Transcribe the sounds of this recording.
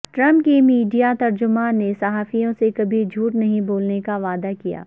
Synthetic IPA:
ʈɾɐ̃mp̚kimiːɖijat̪ɐɾd͡ʒʊmaːnːesɐɦaːfijõsekɐbʱid͡ʒʱuːʈnɐɦĩboːlnekaʋaːd̪akija̰ː

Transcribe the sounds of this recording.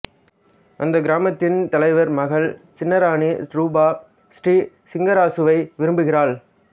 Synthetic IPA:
ʔɐnd̪ɐɡɪɾaːmɐt̪ːɪnt̪ɐlɐɪʋɐɾmɐɣɐɭt͡ʃɪnːɐɾaːɳiɾuːbaː | sʈri | sɪŋɡɐɾaːsɯʋɐɪʋɪɾɯmbɯɣɪraːɭ

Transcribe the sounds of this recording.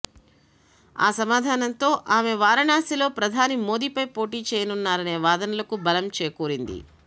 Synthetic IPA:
a̰ːsɐmaːd̪ʱaːnɐnt̪o̞ːʔaːmeʋaːɾɐɳaːsilo̞ːpɾɐd̪ʱaːnimo̞ːd̪iːpɐjpo̞ːʈiːt͡ʃɛːjɐnunːaːɾɐne̞ːʋaːd̪ɐnɐlɐkubɐlɐmt͡ʃeːɐkuːɾind̪ḭ

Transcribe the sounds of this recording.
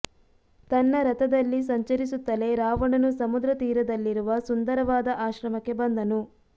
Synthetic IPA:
t̪ɐnːɐɾɐt̪ɐd̪ɐlːis̬ɐɲt͡ʃɐɾisut̪ːɐle̞ɾaːʋɐɳɐnusɐmud̪ɾɐt̪iːɾɐd̪ɐlːiɾuʋɐsund̪ɐɾɐʋaːd̪ɐʔaːʃɾɐmɐkːe̞bɐnd̪ɐnu

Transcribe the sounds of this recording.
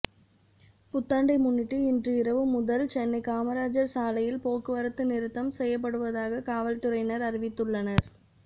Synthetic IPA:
pʊt̪ːaːɳɖɐɪmʊnːɪʈːɯɪndrɯɪɾɐʋɯmʊðɐlt͡ʃɛnːɐɪkaːmɐɾaːd͡ʒɐɾsaːlɐjɪlpoːkɯʋɐɾɐt̪ːɯnɪɾɯt̪ːɐmsɛjːɐp̬ːɐɽɯʋɐðaːɣɐkaːʋɐlt̪ɯɾɐɪnɐɾɐɾɪʋɪt̪ːɯɭːɐnɐɾ

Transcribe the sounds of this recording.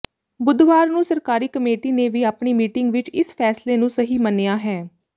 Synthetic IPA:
bʊd̪ʱʋaːɾnũːsəɾkaːɾiːkəmeːʈiːneːʋiːaːpɳiːmiːʈɪŋɡʋɪt͡ʃɪspʰɛːsleːnũːsəɦiːməneːaːɦɛː

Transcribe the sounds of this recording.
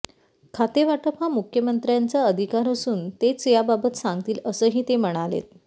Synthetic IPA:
kʰat̪eʋaʈəpamukʰjəmənt̪ɾjant͡saəd̪ʱikaɾəsuːnt̪et͡sjababət̪sãŋɡt̪iːləsəːɦiːt̪em̤əɽ̃alḛt̪̚

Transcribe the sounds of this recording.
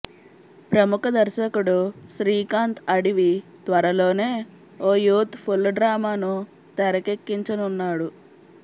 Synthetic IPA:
pɾɐmukɐd̪ɐɾʃɐkuɽuʃɾiːkaːnt̪ɐɽiʋit̪ʋɐɾɐlo̞ːne̞ː | oːjuːt̪pʰulːɖɾaːmaːnu | t̪ɛɾɐkekːiɲt͡ʃɐnunːaːɽu

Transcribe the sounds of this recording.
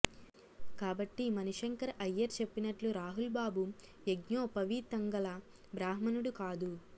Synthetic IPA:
kaːbɐʈːimɐnuʂɐŋkɐɾɐjːɐɾt͡ʃe̞pːinɐʈluɾaːɦulbaːbu | eɡɲoːpɐʋit̪ɐŋɡɐlɐ | bɾaːɦmɐnuɽukaːd̪u

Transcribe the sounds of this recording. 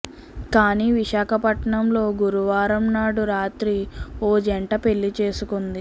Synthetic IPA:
kaːniːʋiʃaːkʰɐpɐʈɳɐmlo̞ːɡuɾuʋaːɾɐmnaːɽuɾaːt̪ɾioːd͡ʒeɳʈɐpe̞ɭːit͡ʃe̞ːsukund̪i

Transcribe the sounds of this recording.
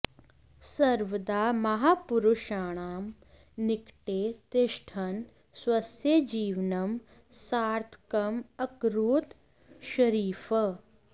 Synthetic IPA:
sɐɾʋəd̪aːmɐɦaːpuɾuʃaːɳ̃aːm | nɪkʈeːt̪ɪʃʈʰɐn | swɐsjɐd͡ʒiːʋnɐm | saːɾt̪ʰkɐmɐkɾuːt̪ | ʃɐɾiːfɐ

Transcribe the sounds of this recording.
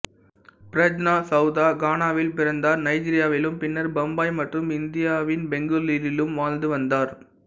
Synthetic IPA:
pɪɾɐd͡ʒnaːsɐʊðaːɡaːnaːʋɪlpɪɾɐnd̪aːɾnɐɪd͡ʒiːɾɪjaːʋɪlɯmpɪnːɐɾbɐmbaːjmɐʈrɯmɪnd̪ɪjaːʋɪnbɛŋɡɯliɾɪlɯmʋaːnd̪ɯʋɐnd̪aːɾ

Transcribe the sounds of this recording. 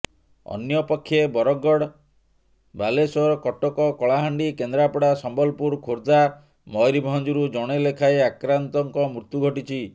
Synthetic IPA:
ɔ̰njɔpɔkʰːjebɔɾɔɡːɔɽ | balesɔɾɔkɔʈɔkɔkɔɭaɦaɳɖikend̪ɾapɔɽasɔmbɔlpuɾkʰoɾd͡ʒa | mɔjɾibʱɦɔnd͡ʒuɾud͡ʒɔɽ̃elekʰaeakɾant̪ɔŋkɔmɾut̪juɡʱɔʈit͡ʃʰi

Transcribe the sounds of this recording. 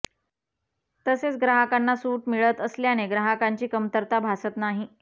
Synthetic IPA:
t̪əset͡sɡɾaɦəkanːasuːʈmiɭət̪əsljaneɡɾaɦəkaɲt͡ɕiːkəmt̪əɾt̪abʱasət̪naɦi

